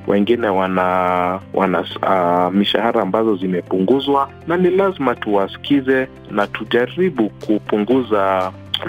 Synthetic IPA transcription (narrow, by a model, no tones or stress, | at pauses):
wʔɛ̰ŋɡinɛwanawʔa̰na̰ | miʃa̰haɾaːmbazɔzimɛpuŋɡuzwa | nanilazimatuwasi̥kizɛ | natuʄaɾiɓukupuŋɡuza